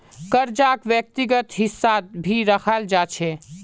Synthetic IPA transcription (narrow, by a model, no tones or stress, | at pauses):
kəɾd͡ʒakʋjək̚t̪iɡət̪ɦisːabʱiɾəkʰald͡ʒat͡ʃʰe